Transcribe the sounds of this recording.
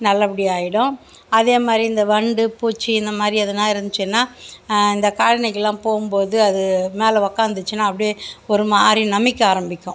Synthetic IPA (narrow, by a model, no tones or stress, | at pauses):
nɐlːɐpːɐɽiaːjɪɽʊ̃ | ɐðeːmaːd̪ɾiɪnd̪ɐʋɐɳɖɯpuːt͡ʃːiɪnd̪ɐmaːd̪ɾiɐðɯnãːɪɾɯnd̪ɯt͡ʃːɯnːaːɪnd̪ɐkaːɻɪnɐkːɐlːãːpoːɣɯmpoːðɯɐðɯmeːlɛʋɐkːaːnd̪ɯt͡ʃːɯnːaːɐpːɐɽɪjeɔɾɯmaːd̪ɾinɐmɪkːɯaːɾɐmbɪkʲːʊ̃